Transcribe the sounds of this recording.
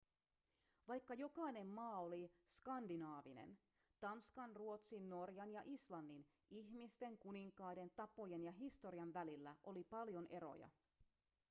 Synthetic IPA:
ʋɑjkːɑjo̞kɑjne̞mːɑːoliskɑndinɑːʋinḛn | t̪ɑnskɑnruo̞t̪sinːo̞rjɑnjɑʔislɑnːin | ʔiçmist̪e̞ŋkuniŋkɑːjde̞nt̪ɑpo̞jenjɑɦist̪o̞ɾiɑnʋælilːæʔo̞lipɑljo̞nʔe̞ɾo̰jɑ̰

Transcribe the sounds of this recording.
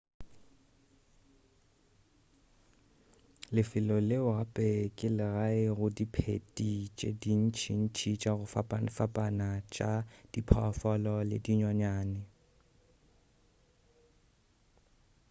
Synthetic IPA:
lɪfɪlɔlɪʊɣapʼɛkʼɪlɪɣaɪɣʊdipʰḛtʼit͡ʃʼḛdin̩t͡ʃʰin̩t͡ʃʰit͡ʃʼaɣʊfapʼafapʼanat͡ʃʼad̥ipʰɔfɔlɔlḛdiɲaɲaːnɪ

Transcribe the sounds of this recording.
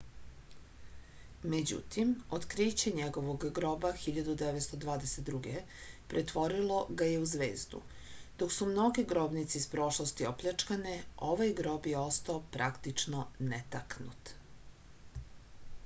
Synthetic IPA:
med͡ʑṵt̪imot̪kɾit͡ɕeɲeɡo̞ʋoɡɡɾoːbaxiʎad̪ud̪eʋet̪st̪od̪ʋaːd̪eset̪̚d̪ɾuɡe | pɾʔet̪ʋo̞ɾilo̞ɡaje̞uzʋe̞̰ːzd̪ṵ | d̪̥o̞ksumno̞ɡeɡɾo̞ːbnit̪seispɾo̞ʃlˠost̪iopʎʲat͡ʂkaneʔo̞ʋajɡɾo̞bje̞o̞st̪aopɾakt̪it͡ʃnonet̪aknṵt̪

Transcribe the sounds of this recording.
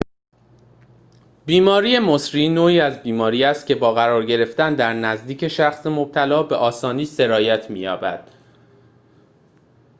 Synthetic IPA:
biːmɒːɾiːe̞mosɾiːnoːiːæzbiːmɒːɾiːæst̪̚cʰe̞bɒːɣæɾɒːɾɟe̞ɾe̞ft̪ænd̪æɾnæzd̪iːcʰe̞ʃæxsemo̞b̚t̪ʰælɒːbe̞ʔɒːsɒːniːse̞ɾɒːjæt̪ʰmiːjɒːbæ̰d̪̥

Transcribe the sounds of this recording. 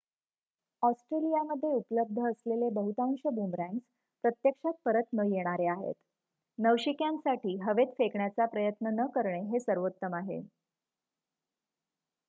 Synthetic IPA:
ɔsʈɾelijaməd̪ʱːjeupləb̚d̪ʱəːslelebəɦut̪ãŋɕəbumɾãns | pɾət̪jəkʂat̪̚pəɾət̪nəjeɽ̃aɾeaɦḛt̪ | nəʋɕikjansaʈʰiːɦəʋet̪fekɳjat͡sapɾəjət̪nənəkəɾɳeɦesəɾʋot̪ːəmaɦḛ

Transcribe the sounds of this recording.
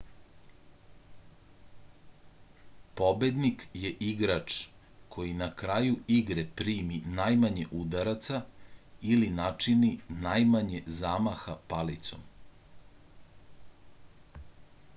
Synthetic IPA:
po̞bed̪nikjeʔiɡɾat͡ʂ | kʰo̞jinakɾajuiɡɾepɾiːminajmaɲeʔud̪aɾat̪sailinat͡ʂininajmaɲezaːmaxapalit̪so̰m

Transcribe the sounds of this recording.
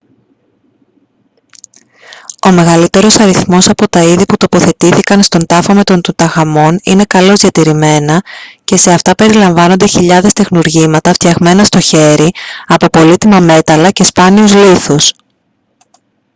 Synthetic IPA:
o̞me̞ɣɐlit̪e̞ɾo̞sɐɾiθmo̞sɐpo̞t̪ɐiðiput̪o̞po̞θe̞t̪iθikɐnst̪o̞nd̪ɐfome̞t̪o̞nt̪ut̪ɐɣɐmo̞nḭne̞kɐlo̞zðʝɐt̪iɾime̞nɐce̞se̞ɐft̪ɐpe̞ɾilɐɱvɐno̞nd̪e̞çiʎɐðe̞st̪e̞xnuɾʝimɐt̪ɐft̪çɐɣme̞nɐst̪o̞çe̞ɾiɐpo̞po̞lit̪imɐme̞t̪ɐlɐce̞spɐniuzliθus

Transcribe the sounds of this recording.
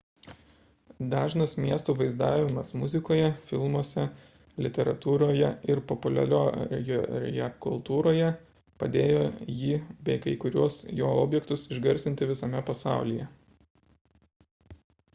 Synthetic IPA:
d̪ɑːʒnɐsmʲiɛst̪uːʋɐɪzd̪ɑːʋʲɪmɐsmʊzʲɪkoːjɛfʲɪlˠmuɔsʲɛ | lʲɪt̪ʲɛɾɐt̪uːɾoːjɛɪɾpɔpʊlʲɛ̰ɾʲo̰ːjoːɾ̰ʲjɛ̰kʊlˠt̪uːɾoːjɛ | pɐd̪ʲeːjoːjiːbʲɛɪkɐɪkʊɾʲuɔsjoːo̰ːbʲjɛkt̪ʊsɪʒɡɐɾʲsʲɪnt̪ʲɪʋʲɪsɐmʲɛpɐsɑˑʊlʲijɛ

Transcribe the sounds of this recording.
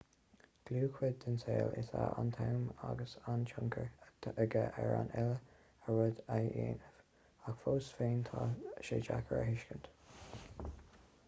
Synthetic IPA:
ɡ̥luːkʰwɪd̪̚dəntʰeːlɪtaʔant̪ʰawmaɡəsant͡ʃʰʊŋkʰəɹʰəɡəʔɛɹanɛlə | əɹʊd̪ajʔeːnəv | akfoːsfeːnt̪ʰaʃeːd͡ʒakʰəɹəɦɪʃkənt̪

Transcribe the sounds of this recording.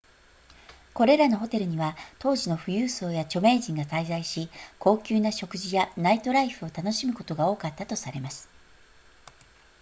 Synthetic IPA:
ko̞ɾe̞ɾano̞ɦo̞t̪e̞ɾɯ̟ɲ̟iβat̪o̞ːʑino̞ɸɯ̟jɯ̟ːso̞ːjat͡ɕo̞me̞ːʑĩŋɡataizaiɕikʰo̞ːkʲɨːnaɕo̞kɯ̟ʑijanait̪o̞ɾaiɸɯ̟o̞t̪ano̞ɕimɯ̟ko̞t̪o̞ɡao̞ːkat̪ːat̪o̞saɾe̞masɨ̥

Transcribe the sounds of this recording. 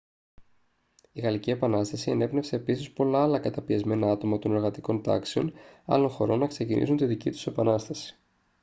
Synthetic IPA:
iɣɐlicie̞pɐnɐst̪ɐsie̞ne̞pne̞fse̞ːpisispo̞lɐːlɐkɐt̪ɐpiɐzme̞nɐɐt̪o̞mɐt̪o̞no̞ɾɣɐt̪iko̞nt̪ɐ̰kseo̞nɐ̰lo̞ŋxo̞ɾo̞nːɐkse̞cinḭsunt̪iðicḭt̪u̥se̞pɐnɐst̪ɐsi̥

